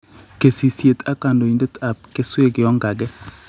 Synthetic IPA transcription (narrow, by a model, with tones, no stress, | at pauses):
ke˨si˨sje˨t̪ʰa˦ka˨ndo˨i˨ndɛ˦tʰa˨p̚ke˦swe˦˨ɡɪ˨jɔ˦ŋɡa˨ɡɛ˦